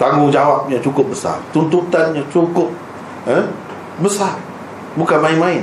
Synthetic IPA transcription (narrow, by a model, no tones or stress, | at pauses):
t̪aŋɡʊŋd͡ʒawap̚ɲat͡ʃukʊp̚bəsa̰rt̪unt̪ut̪anɲat͡ʃukʊp̚ | ən | bəsar | bukanmãinmãɪn